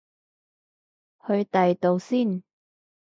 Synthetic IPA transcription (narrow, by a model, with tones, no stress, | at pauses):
hɵ˧ɥt̪ɐ˨jt̪o˨˧wsiː˥˩n